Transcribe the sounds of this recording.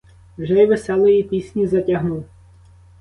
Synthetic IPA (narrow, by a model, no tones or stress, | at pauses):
wʒɛjʋesɛlˠɪjipʲisʲnʲizɐtʲɐɦnuw